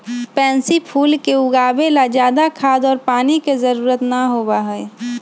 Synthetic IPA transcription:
pɛ̃ːnsipʰuːlkeʊɡaːbelad͡ʒjaːd̪akʰaːd̪ɔːɾpaːnikezəɾuːɾət̪naɦoːbaɦɛɛ

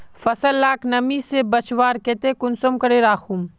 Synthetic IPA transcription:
fɐsəlːaːknɐmisebɐt͡ʃʋaːɾket̪ekʊnsomkɐɾeɾaːxʰum

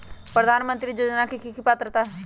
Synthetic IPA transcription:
pɾəd̪aːnmə̃nt̪ɾiːd͡ʒəd̪nãːkikʰikipat̪ːɾət̪aː

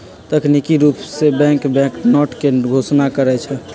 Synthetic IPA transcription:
t̪əknikiɾupsebɛ̃ŋkbɛ̃knɔʈkeɡʱosnakəɾɛt͡ʃʰɛ

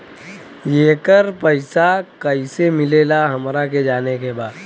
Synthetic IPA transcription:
jeːkəɾpəɪsakəisemɪleːlaɦɐmɾaked͡ʒaːnekebaːd̪

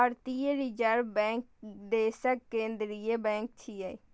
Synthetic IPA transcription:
əɾt̪ieɾid͡ʒəɾbɛ̃ːŋk̚d̪eːsəkːẽːnd̪ɾijebɛ̃ːŋk̚t͡ʃʰiai

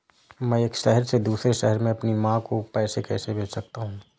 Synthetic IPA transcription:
mɛ̃ːeːkʃɛɦəɾsed̪uːsɾeʃɛɦəɾmẽɐpnimãkopɛːsekɛːsebʱeːt͡ʃsɐk̚t̪aɦũː

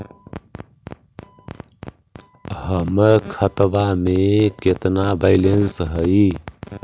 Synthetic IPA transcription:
ɦəməɾkʰət̪bameket̪nabaɪlensɦəi

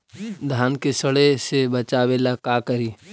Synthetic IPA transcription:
d̪ʱaːnkesəɽesebət͡ʃaːʋelakaːkəɾiː

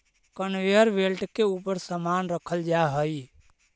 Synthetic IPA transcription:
kənʋeəɾbelʈkeupəɾsəmanɾəkʰəld͡ʒaɦəj

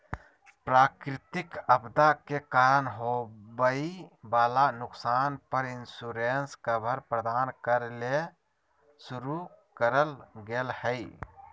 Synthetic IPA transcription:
pɾaːkɾɪt̪ɪkɐbd̪akekaːɾənɦobəibaːlanʊksaːnpəɾɪnsuːɾeːnskabʱəɾpɾəd̪aːnkəɾle | sʊɾu | kəɾəlɡelhɛi

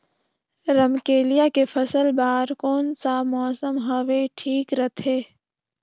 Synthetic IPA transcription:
ɾəmkeːlijakefʰəsəlbaːɾkoːnsamɔːsəmɦəʋeʈʰiːkɾət̪ʰeː

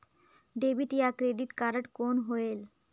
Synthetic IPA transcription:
ɖebʱiʈjakɾeɖiʈkaɾəʈkonɦoel

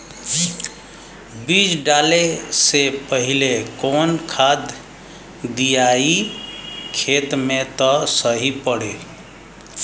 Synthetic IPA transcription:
bid͡ʒɖalesepəɦilekonkʰad̪ː | ijai | kʰet̪met̪ɔsəɦipəɽe

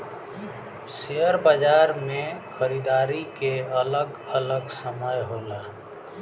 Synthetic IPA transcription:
sejəɾbəd͡ʒaɾmẽkʰəɾid̪aːɾikeələɡ | ələɡsəməjɦola

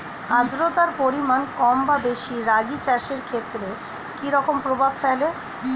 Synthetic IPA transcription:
ãd̪ɾot̪aɾpoɾimankɔmbabeʃiɾaɡit͡ɕɛʃeɾkʰet̪ːɾe | kiɾɔkompɾobʱabfɛle

